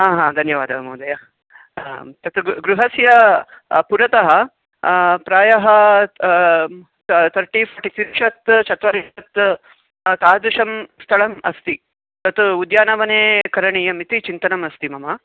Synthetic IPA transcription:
aːɦãːd̪ʱɐnjɐʋaːd̪ʱɐɐmɐːd̪ɐjɐ | t̪ɐt̪ɡɾuɦɐsjɐ | puɾɐt̪ɐɦɐ | pɾaːjɐɦɐ | t̪ʰɐɾʈifʰɐɾʈit̪ʰiɾʃɐt̪t͡ʃʰɐt̪ʋɐɾeɐt̪ | t̪aːd̪uʂɐmst̪ʰɐɭɐmɐst̪i | t̪ɐt̪ud̪jaːnɐʋɐneːkɐɾɐɳijɐmit̪it͡ʃint̪ɐnɐmɐst̪imɐmɐ

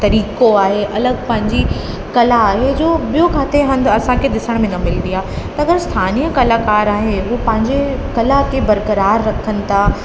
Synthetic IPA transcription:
t̪ɐɾiːkoaːɦeʔɐləɡpɐ̃ɦɪ̃ɲd͡ʑi | kɐlaːɦed͡ʑoːbijokʰaːt̪eɦɐ̃nd̪ɐsãkʰed̪ɪsəɽ̃mɪ̃nəmɪlnd̪ijaːt̪ɐɐɡəɾst̪ʰaːniːjəkɐlakaːɾaːɦeɦupɐ̃ɦɪ̃ɲd͡ʑekɐlakʰebɐɾkəɾaːɾːɐkʰənɪ̆t̪ʰaː

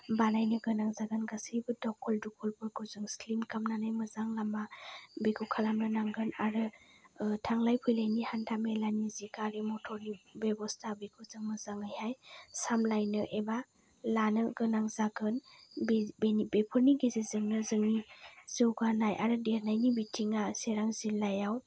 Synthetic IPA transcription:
banajnɯɡɯnaŋzaɡɯnɡasijbɯdɔkʰɔldukʰɔlpʰɯɡuzɯŋslimkamnanajmɯzaŋlamabeɡɯwkʰalamnɯnaŋɡɯnaɾɯ | tʰaŋlajpʰɯjlajnihantʰamelanizikaɾemɔtʰɔɾnibebɔstʰabiɡʰɯzɯŋmɯzaŋajhajsamlajnɯʔeba | lanɯɡɯnaŋzaɡɯnbbenibepʰɯɾniɡezezɯŋnɯzɯŋniz̥ɯwɡanajʔaɾɯdeɾnajnibitʰiŋaseɾaŋzilajaw

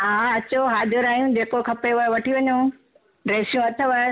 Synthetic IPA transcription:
ɦãːɐt͡ɕoɦaːd̪ʱəɾaːijũd͡ʑeːkokʰɐpeʋaːeʋɐʈʰiʋɐɲõ | ɾeːsijũɐt̪ʰəʋaːe

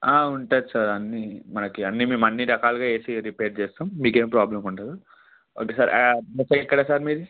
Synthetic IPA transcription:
aːuɳʈaːd̪isaːɾɐnːimɐnɐkiɐnːimiːmɐnːiɾɐkaːluɡaːe̞ːsiɾipeːɾʈ̚t͡ʃɛːst̪aːmːiːkeːmpɾaːblɐmuɳʈaːd̪u | o̰ːkeːsaːɾmɛsɐkikːɐɽaːsaːɾmiːɾi

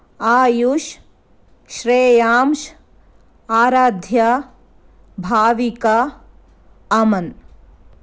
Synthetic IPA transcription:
aːjuʃ | ʃɾeːjaːmʃ | aːɾaːd̪ʱja | bʱaːʋika | ɐmɐn

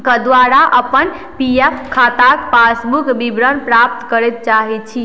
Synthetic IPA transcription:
kəd̪waɾaʔəpən | piepkʰːat̪akpasbukbibɾənpɾap̚t̪kəɾɛt̪̚t͡ʃaɦɛt͡ʃʰi

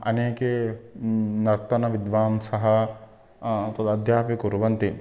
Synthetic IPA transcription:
ɐ̰neːke | nɐɾt̪ɐnɐʋɪd̪ʋaːmsɐɦɐ | t̪ɐd̪ɐd̪ʱjaːpikuɾʋɐnt̪i

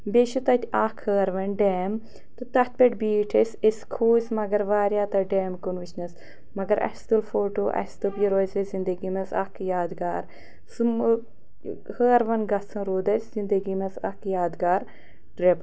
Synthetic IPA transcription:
beʃut̪ɐt̪ʲaːkʰhəːɾʋɐnɖeːm | t̪ɨt̪ɐt̪̚peʈʲbiːʈʰesʲeskʰuːsʲmɐɡɐɾʋaːɾjaːt̪ɐɖeːmkunʋit͡ʃʰnɐs | mɐɡɐɾʔɐ̰st̪ulfoːʈoːʔɐ̰st̪upjiɾoːzɐzind̪əɡimɐsɐ̰kʰjaːd̪ɡaːɾ | sɨm | həːɾʋɐnɡɐsʰɐ̃ɾoːd̪ɐsʲzind̪əɡimɐsɐ̰kjaːd̪ɡaːɾ | ʈɾep

